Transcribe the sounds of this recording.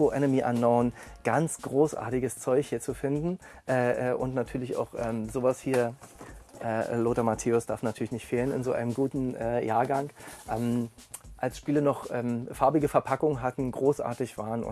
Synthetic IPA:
oʔɛnəmiːʔanːaʊənɡ̥ant͡sɡ̥ʁoːsʔa̰ːɐtɪɡəst͡sɔʏçhiːɐt͡sufɪndn̩ʔɛːʔɛːʔʊntnatʰyːɐlɪça̰ʊxʔɛːmzoːvashiːɐ | ʔɛːloːtɐmatʰeːʊsd̥aɐfnatʰyːɐlɪçnɪçtfeːlənɪ̰nzoːʔa̰ɪnəmɡuːtn̩ʔɛːjaːɐɡaŋʔɛːmʔalsʃpiːlənɔχʔɛːmfaɐbɪɡəfɛɐpʰakʊŋənɦatn̩ɡʁoːsʔa̰ːɐtɪçv̥aːʁənʊ̰

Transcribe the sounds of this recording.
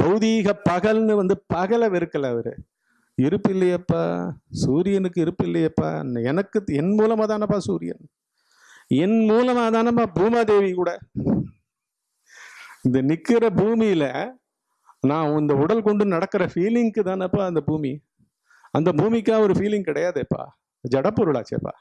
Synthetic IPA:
pɐɣɯðiɣɐpɐɣɐlnɯʋɐnd̪ɯpɐɣɐlɐʋɪɾɯkːɐlaːʋɐɾɯ̰ | ɪɾɯpːɪlːɐjɐpːa̰ːsuːɾɪjɐnɯkːɯɪɾɯpːɪlːɐjɐpːa̰ːnɛnɐkːɯɛnmuːlɐmaːt̪aːnɐpːaːsuːɾɪjɐ̰n | ɛnmuːlɐmaːt̪aːnɐpːaːbuːmaːd̪eːʋikuːɽɐ | ɪnd̪ɐnɪkːɪɾɐbuːmijɪlɐ | nãːɔnd̪ɐʊɽɐlkɔɳɖɯnɐɽɐkːɪɾɐfiːlɪŋkɯt̪ãːnɐpːaɐnd̪ɐbuːmḭ | ɐnd̪ɐbuːmikːãːɔɾɯfiːlɪŋɡ̚kɪɽɐjaːðɯɐpːa̰ː | d͡ʒɐɽɐpːɔɾɯɭa̰ːt͡ʃːɪɐ̰pːa̰ː

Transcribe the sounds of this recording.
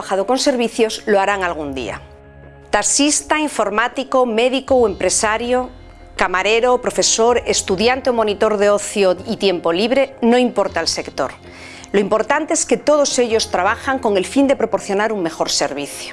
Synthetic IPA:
axaðoko̞nse̞ɾβ̞iθjo̞zloaɾaŋalɣ̞und̪ḭa̰ | t̪aksist̪aiɱfo̞ɾmat̪iko̞me̞ðiko̞we̞mpɾe̞saɾjo̞ | kamaɾe̞ɾo̞pɾo̞fe̞so̞ɾe̞st̪uðjant̪eo̞mõ̞nit̪o̞ɾðeo̞θjoit̪je̞mpo̞liβɾe̞no̞impo̞ɾt̪aelse̞kt̪o̞̰ɾ | lo̞impo̞ɾt̪ant̪e̞eske̞t̪o̞ð̞o̞se̞ʎo̞st̪ɾaβ̞axaŋko̞ŋe̞lfind̪e̞pɾo̞po̞ɾθjo̞naɾuŋme̞xo̞ɾse̞̰ɾβiθjo

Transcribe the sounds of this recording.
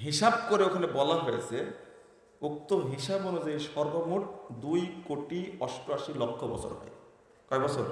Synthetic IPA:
ɦiʃabkoɾeokʰanebɔlaɦojet͡ɕʰe | uk̚t̪omɦiʃabɔnod͡ʑaiʃɔɾbomuɾd̪ujkoʈiɔʃʈoaʃilokʰːobɔ̰t͡ɕʰo̰ɾɦɔ̰e | kɔebɔt͡ɕʰoɾ

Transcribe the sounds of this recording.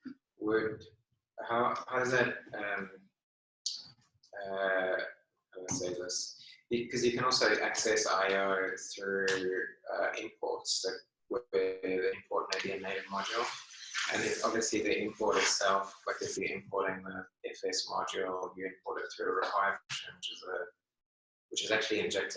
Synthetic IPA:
wəd̚ | haʊhaʊʌzðɨt̚ʌ̃m | ʌ | ʊðətseɪzðɪsb̥ɨkʰʌzjɨkɨ̃nɔˑlˠsoʊʔæksɛsa̰ɪoɪθɹʉ | ʌ̰ʔɪ̃mpʰɔ̰ɹtsðɨt̚ | wəðiɪ̃mpʰɔɹʔ̚meɪdiɨneɪɾvmɑd͡ʒəl̩ˠʔɨ̰̃nɪfɒbviəsliðiʔɪ̃mpʰɔɹɾɨtsɛlˠflaɪkɨ̥iʔɪ̰̃mpʰɔɹɾɪ̃ŋðəɛfɛsmɑ̰d͡ʒəl̩ˠjɨɪ̃mpʰɔɹɾɨt̪θɹʉɹɪkʰaɪəfɛʃə̃nwɪt͡ʃɪzə | wɪt͡ʃɨzæk̚t͡ʃʉl̩ˠiɨ̃nd͡ʒɛk̚tʰ

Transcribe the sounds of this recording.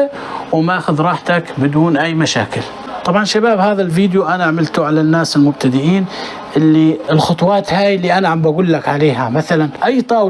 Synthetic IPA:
wmaʔaːxʊðɾˤɑːħt̪akbɪd̪uːnʔajːmaʃa̰ːkɪl | t̪ˤɑbʕɑnʃabaːbhaːðalfiːd̪juʔanaʕmɪlt̪ʊʕalanːaːsɪlmʊb̚t̪ad̪ɪʕiːn | ʔɪlːiɪlxʊt̪ˤwɑːt̪haːjliʔanaʕambʔaɡuːlːakʕaleːɦamaθalanʔajːt̪ˤɑːw

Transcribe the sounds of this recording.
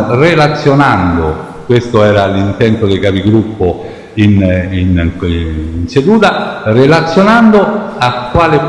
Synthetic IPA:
relat̪sːjonand̪o | kwest̪oɛːɾalint̪ɛnt̪od̪ekapiɡɾupːo | inin | nsed̪uːt̪arelat̪sːjonand̪oakːwaːlɪ

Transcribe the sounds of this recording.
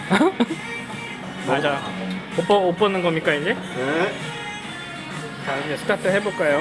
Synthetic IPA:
mad͡ʑaj | opʌop͈ʌnɯnɡʌmɲik͈aid͡ʑe | ad͡ʑesʰɯ̥tʰatʰɯɦe̞boɭk͈ajo

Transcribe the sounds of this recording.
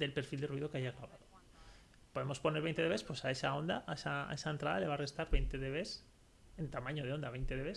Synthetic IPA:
d̪e̞lpe̞ɾfild̪e̞rwiðo̞keaʝaɣɾaβaðo | po̞ðe̞mo̞spo̞neɾβe̞jnt̪e̞ðee̞spwe̞sae̞sao̞nd̪aʔaesa̰e̞saent̪ɾaðale̞β̞are̞st̪aɾβejnt̪e̞ðeβe̞s | e̞nt̪amãɲo̞ð̞e̞o̞nd̪aβe̞jnt̪e̞ðee̞s

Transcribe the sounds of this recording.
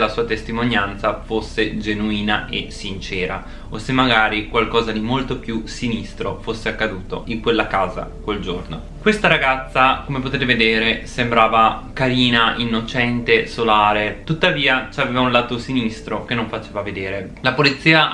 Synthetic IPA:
lasuːat̪est̪imonjant̪safosːed͡ʒenuiːnaʔesint͡ʃɛːɾa̰ | osemːaɡaːɾikwalkɔːzad̪imolt̪opjusinist̪ɾofosːeakːad̪uːt̪o̰ʔiŋkwelːakaːza̰kweld͡ʒorno̰ | kwest̪aɾaɡat̪sːakomep̬ot̪eːt̪̬eved̪eːɾesembɾaːvakaɾiːnaʔinːot͡ʃɛnt̪esolaːɾet̪ut̪ːaviːat͡ʃaveːvaunlaːt̪osinist̪ɾok̟enːõɱfat͡ʃeːvaved̪eːɾe | lapolit̪sːiːa

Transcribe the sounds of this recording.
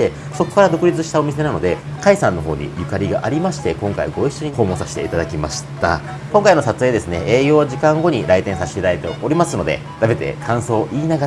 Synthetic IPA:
ekɯ̟̥soko̥kaɾad̪o̞kɯ̟ɾʲit͡sɨɕi̥t̪ao̞mʲise̞nano̞d̪e̞kaisãnːo̞ɦo̞ːɲ̟ḭjɯ̟kaɾʲiɡa̰ʔaɾʲimaɕi̥t̪e̞kõ̞ŋka̰iɡo̞iɕːo̞ɲ̟iho̞ːmõ̞ːsaɕi̥t̪e̞it̪ad̪akʲimaɕi̥t̪a̰ | kõ̞ŋkaino̞sat͡sɨeːd̪e̞sɨne̞eːjo̞ːʑikãŋɡo̞ɲ̟iɾait̪ẽɰ̃saɕi̥iɾaɾet̪e̞o̞ɾʲimasɨno̞d̪e̞̰ | d̪abe̞t̪e̞̰kʰãɰ̃so̞ːʔiːnaɡa

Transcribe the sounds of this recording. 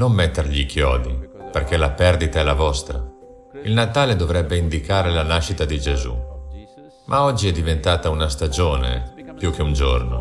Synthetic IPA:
nomːɛt̪ːerʎikʰjɔːd̪iperk̟elapɛrd̪it̪aɛlavɔst̪ɾa̰ | ilnat̪aːled̪ovɾɛbːeind̪ikaːɾelanaʃit̪ad̪id͡ʒezṵ | mʔaɔd͡ʒːiɛd̪ːivent̪aːt̪aunast̪ad͡ʒoːnḛpjukeund͡ʒo̰rno̰

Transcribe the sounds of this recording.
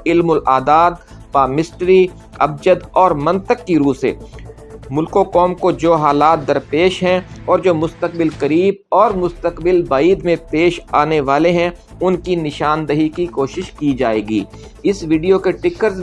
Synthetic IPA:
ɪlmʊlʔaːd̪aːd̪ | paːmɪsʈɾi | ɐb̚d͡ʒəd̪ɔːɾmɐ̃nt̪əkːiɾuːsḛː | mʊlkokɔːmkod͡ʒoːɦaːlaːt̪̚d̪ɐɾpeːʃɦɛ̃ɔːɾd͡ʒoːmʊst̪ək̚bɪlkɐɾiːb̚ɔːɾmʊst̪əqbɪlbaːiːd̪mẽpeːʃaːneʋaːleɦɛ̃ | ʊnkinɪʃaːnd̪əɦikikoːʃɪʃkid͡ʒaːḛːɡḭːɪsʋiːɖijokeʈɪkəɾz

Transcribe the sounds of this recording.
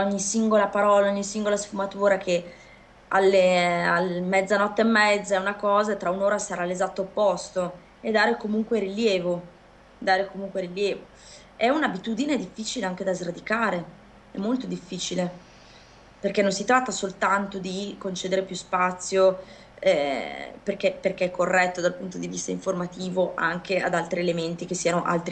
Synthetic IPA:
oɲːisiŋɡolapaɾɔːlaoɲːisiŋɡolasfumat̪uːɾakʰe | a̰lːealmɛd̪zːanɔt̪ːeːmːɛd̪zːaɛunakɔːzat̪ɾaunoːɾasaɾaːlːezat̪ːoːpːɔst̪o | ed̪ːaːɾekomuŋkweɾiljɛːvo | d̪aːɾekomuŋkweɾiljɛːvo | ɛunabit̪ud̪ined̪ifːit͡ʃileaŋk̟ed̪azɾad̪ikaːɾe | ɛmːolt̪od̪ifːiːt͡ʃile | perk̟ɛnːonsit̪ɾat̪ːasolt̪ant̪od̪ikont͡ʃeːd̪eɾepjuspat̪sːjo | ɛperk̟ɛperk̟eɛkːorːɛt̪ːod̪alpunt̪od̪ivist̪a̰ĩɱformat̪iːvoʔaŋkea̰d̪alt̪ɾielement̪ik̟esːiːanoʔa̰lt̪ɾi

